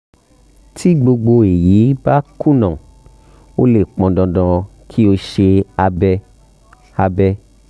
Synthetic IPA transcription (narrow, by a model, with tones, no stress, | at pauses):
tʰi˦ɡ͡bo˧ɡ͡bo˧e˨ji˨˦ba˦kũ˦˨nɔ̃˨ | o˦le˦˨k͡pɔ̃˧dɔ̃˧dɔ̃˧kʰi˦o˧ʃe˧a˧bɛ˧ | a˧bɛ˧